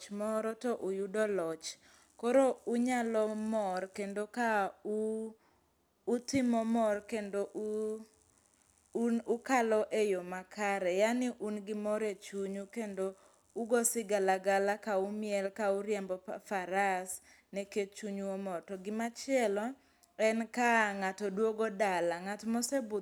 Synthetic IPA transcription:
t͡ʃmɔɾɔtɔʔujudɔlɔt͡ʃ | kɔɾouɲalɔmɔrkendokau | tɪmɔmɔrkendoʔu | nukalɔʔejomakʰaɾɛjanɪʔunɡɪmɔɾet͡ʃuɲukendo | uɡɔsɪɡalaɡalakaumɪɛlkauɾjɛmbɔfaɾas | nɛket͡ʃuɲuomɔtɔɡɪmat͡ʃɪɛlɔ | ɛnkaŋatɔdwoɡɔdalaŋatmɔsɛbʊ

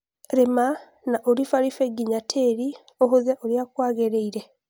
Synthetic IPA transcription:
ɾema | naʔoɾifalifeɡiɲatʰeːɾi | oɦuzaʔoljakwaːɣeɾeiɾe

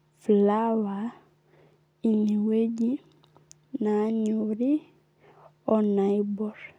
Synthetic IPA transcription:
flawa | iniweɟi | naɲuɾi | ɔnaibɔɾ

